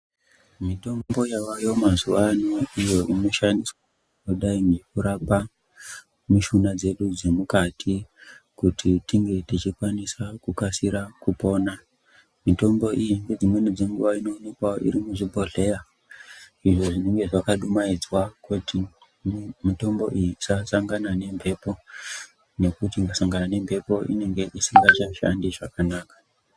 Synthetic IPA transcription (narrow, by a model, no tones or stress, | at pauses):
mito̞mbo̞jawajo̞mazuʋanoijo̞ʔino̞ʃandiswa | kuɗaiŋɡekuɾapa | muʃunad͡ze̞ɗud͡zemukatʰikutʰitiŋɡe̞tit͡ʃikwanisakukasiɾakupo̞ːna | mito̞mbo̞ʔijiŋɡe̞d͡zimwe̞nid͡ze̞ŋɡuʋaino̞ːne̞kwao̰ḭɾimuʐibʱo̞ɮe̞ja | iʐo̞ʐine̞ŋɡe̞ʐakaɗumaid͡zwakutʰi | mito̞mbo̞̰ʔijisasaŋɡanane̞mpʰe̞po̞ | ne̞kutiŋɡasaŋɡanane̞mpʰe̞po̞ʔḭne̞ŋɡe̞ʔisiŋɡat͡ʃaʃa̰ndiʐakanaːkḁ